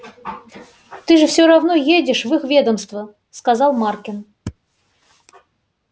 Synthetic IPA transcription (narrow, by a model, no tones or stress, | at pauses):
t̪ɨʐɨfsʲoɾavn̪ojedʲɪʂvɨxvʲed̪əmst̪və | skazɑlˠmarkʲɪn